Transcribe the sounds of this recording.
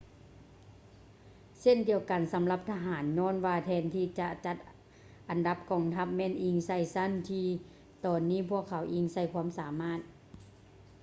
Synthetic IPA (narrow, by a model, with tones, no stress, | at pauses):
se˧˥˨ndi˨əwka˨˩nsa˨˦mla˧p̚t̪ʰa˧ɦaː˩˦nɲɔː˧˥˨nwaː˧t̪ʰɛː˧nt̪ʰiː˧˩t͡ɕa˧ʔt͡ɕa˧t̪̚ | ʔa˨nda˧˦p̚kɔː˨˩ŋt̪ʰa˧˥p̚mɛː˧˥˨nʔiː˧˩ŋsa˧˩˨jsa˧˥˨nt̪ʰiː˧ | t̪ɔː˨˩nːiː˧˥˨pʰu˧˥˩əkʰːa˨˩˦wʔiː˧˩ŋsa˧˩jkʰwuː˧˥˨msaː˨˦maː˧˥˩t̪̚